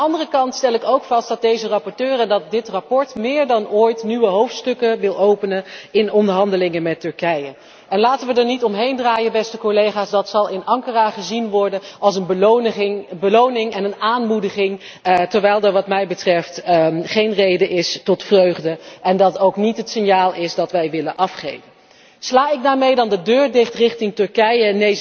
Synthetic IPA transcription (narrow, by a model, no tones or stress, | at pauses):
ɑndərəkɑntstɛlˠɪkowkfɑst̚d̥ɑt̚dejzərɑpɔɹtøːrəndɑt̚dɪtrapɔɹtmɪːɹdɑnoːjtnyʋəɦowftstɵkəʋɪlˠowpənəɪnɔndəɹɦɑndəlɪŋəmɛtɵɹkɛjə | ɛnlaːtənʋədəɹnitɔmɦejndraːjəbɛstəkolejχaːsdɑtsɑlˠɪnɑŋkəraːχəzinʋɔɹdənɑlˠs̬ənb | bəlownɪŋɛnənaːnmudəχɪŋ | tɛɹʋɛjlˠdəɹʋɑtmɛjbətrɛftχejnrejdəʔɪstɔtfrøɥχdəʔɛndɑtowknitɦətsɪnjaːlˠɪsdɑtʋɛjʋɪlənʔɑfχḛjvə | slaːɪɡ̚daːɹmejdɑndədøːɹdɪχtrɪχtɪŋtɵɹkɛjəne